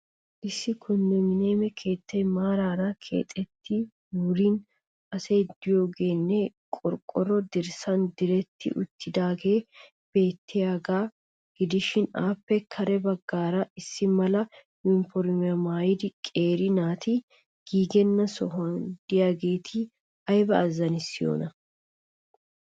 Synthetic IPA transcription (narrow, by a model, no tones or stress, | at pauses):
ʔɪsːɪkʰʊnːɛmɪneːmɛkʰe̞ːt̪ːɛjmaːɾaːɾakʰḛːt̪ʼɛt̪ʰːɪ | uːɾiːn | ɐseːd̪ɪjoɡeːnːeːkʼɔɾkʼɔɾɔd̪ɪɾsɐnd̪ɪɾɛt̪ːɪ̰ʔʊ̰t̪ːɪd̪aːɡe̞ː | b̥e̞ːt̪ːɪjaɡaː | ɡ̥ɪd̪ɪʃɪna̰ːpːɛkʰɐɾɛbɐɡːaːɾɐɪsːɪmɐlɐ | jʊnfɔɾmɪjɐmaːjɪd̪ɪkʼe̞ːɾɪnaːt̪ɪ | ɡ̥iːɡɛnːɐsɔɦɔnd̪̥ɪjaːɡe̞ːt̪ʰɪ | ɐjbɐːzɐnɪsːɪjo̰ːnɐ